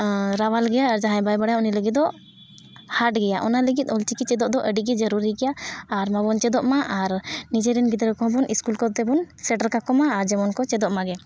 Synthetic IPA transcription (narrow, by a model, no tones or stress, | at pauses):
ɾawalɡɛjaːɾd͡ʒaɦãbajbaɽajauniləɡit̪̚d̪ɔ | haʈɡɛjaʔɔnaləɡit̪̚ˀɔlt͡ʃikit͡ʃɛd̪ɔʔd̪ɔʔəɖiɡɛd͡ʒəɾuɾiɡɛjaːɾmabɔnt͡ʃɛd̪ɔʔmaʔaɾnid͡ʒɛɾɛnɡid̪ɾɛkɔɦɔ̃bɔniskulkɔt̪ɛbɔnsɛɖəɾkakɔmaːɾd͡ʒɛmɔnkɔt͡ʃɛd̪ɔʔmaɡɛ